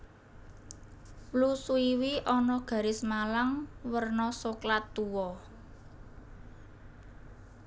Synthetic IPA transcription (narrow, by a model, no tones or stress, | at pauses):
lusuiwiʔɔnɔɡ̥ä̤ɾɪsmalaŋwərnɔsoklat̪ːuwɔ